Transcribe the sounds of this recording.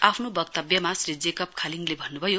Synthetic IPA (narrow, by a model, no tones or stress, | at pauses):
apʰnobʌk̚t̪ʌbjʌmasrid͡zekʌp̚kʰaliŋlebʱʌnːubʱʌjo